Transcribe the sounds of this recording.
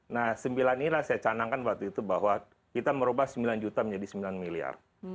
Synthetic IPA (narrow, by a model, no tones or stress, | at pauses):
nahsəmbilaninilahsajat͡ʃanaŋkanbat̪uit̪ubaɦwa | kit̪aməɾubahsəmbiland͡ʒut̪aməɲd͡ʒadisəmbilanmilia̰r